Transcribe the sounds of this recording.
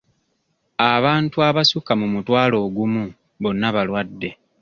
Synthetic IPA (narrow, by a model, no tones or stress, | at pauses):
aβaːntuaβasukamumutwaːlo̞ːɡumu | βo̞nːaβalwadːe̞